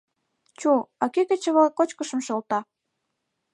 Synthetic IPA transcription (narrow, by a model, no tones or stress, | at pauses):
t͡ɕuɑkekĕt͡ɕə̆βɤkot͡ɕkə̆ʃə̆mʃɤlt̪ɑ